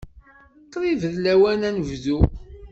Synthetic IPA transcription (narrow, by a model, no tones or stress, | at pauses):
q̪ːɾˤivəðlæwænænəvðu